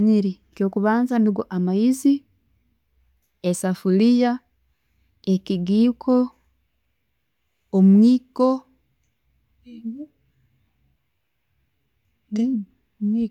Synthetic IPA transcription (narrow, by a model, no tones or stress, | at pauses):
ɲiɾi | kjo̞ːkuβaːnzanduɡoʔamajizi | esafulija | eciɡiːkʰo̞ | mwiːko